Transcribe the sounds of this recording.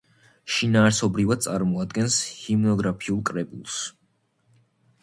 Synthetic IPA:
ʃinaːɾsɔbɾivad̪̚t̪sʼaɾmɔad̪̚ɡɛnshimnɔɡɾapʰiulˠkʼɾɛbulˠs

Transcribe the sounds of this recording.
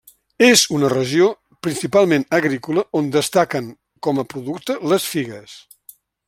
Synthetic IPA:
ezunərəʒio | pɾinsipalˠmẽnəɣɾikuləʔond̪əst̪akəŋ | kɔməpɾuðukt̪ələsfiɣəs

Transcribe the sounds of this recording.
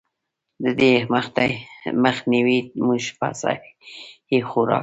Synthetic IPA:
d̪əd̪eməxt̪a̰jməxniwimuʃpa̰sa̰ | hixuɾɑ̰ː

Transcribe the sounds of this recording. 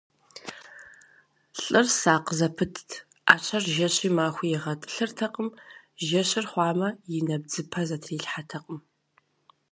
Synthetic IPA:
ɬʼɨrsaːqəzɐpʰɨtʰtʰ | a̰ːt͡ʃʰɐrʒɐɕʼiːmaːxʷijɛʁɐtʼɨ̥ɬɨrtʰɐqʼəmʒɐɕɪrχʷɑːmɐjɪnɐb̚d͡zɨpʰɐzɐtʰriːɬħatʰɐqʼəm

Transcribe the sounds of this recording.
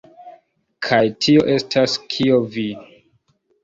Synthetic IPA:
kʰajtʰio̞ʔe̞stʰaskʰiovi

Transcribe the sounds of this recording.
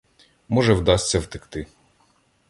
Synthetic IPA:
mɔʒɛwd̪ɑsʲtʲːɐwt̪ɪkt̪ɪ

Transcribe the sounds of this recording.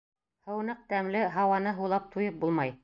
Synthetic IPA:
hɤ̆wnɤq̚t̪æmlɘɦɑwɑnɤɦulˠɑp̚t̪ʰujɤp̚bulˠmɑj

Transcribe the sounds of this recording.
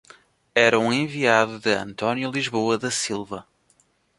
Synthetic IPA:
ɛɾɐũẽviaðuðɨɐ̰̃nt̪ɔnjulˠiʒβoɐðɐsilˠvɐ

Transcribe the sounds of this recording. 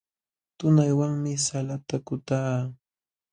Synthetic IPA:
t̪ʊnajwaŋmɪsalat̪akʊt̪aː

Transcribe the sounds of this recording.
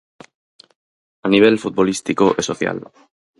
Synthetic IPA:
aniβ̞elfut̪̚βolist̪ikoʔesoθja̰l

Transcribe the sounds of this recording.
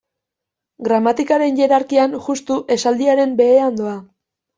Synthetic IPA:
ɡɾamat̪ikaɾe̞nʝe̞ɾaɾkianʝust̪uʔe̞sald̪iaɾe̞mbe̞ːand̪oa

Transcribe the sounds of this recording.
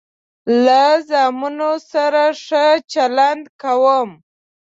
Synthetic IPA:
lazɑmunosaɾaʂət͡ʃaland̪kawəm

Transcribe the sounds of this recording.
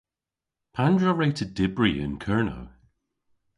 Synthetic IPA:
pʰãndɹəɹeɪtʰədɪbɹiɪ̰̃nkʰɜɹno̰ʊ

